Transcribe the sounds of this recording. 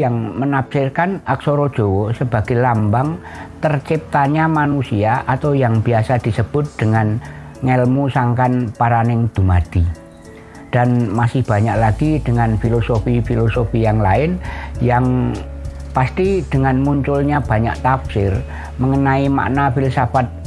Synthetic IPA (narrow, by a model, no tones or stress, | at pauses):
jaŋmənapsɪrkanak̚soɾɔd̥d͡ʒ̥owɔsəba̤ɡ̥elambaŋ | t̪ərt͡ʃip̚t̪aɲamanusiaʔat̪awjaŋb̥iasad̪̥i̤səb̥ʊt̪̚d̪̥əŋan | ŋɛlmusaŋkanpaɾanɪŋd̪̥umad̪̥i | d̥anmasɪhb̥a̤ɲaʔlaɡ̥id̥əŋanfilosofifilosofijaŋlaɪnjaŋ | past̪id̥əŋanmuɲt͡ʃʊlɲab̥a̤ɲa̰ʔt̪apsɪr | məŋənaima̰ʔnafɪlsabat̪̚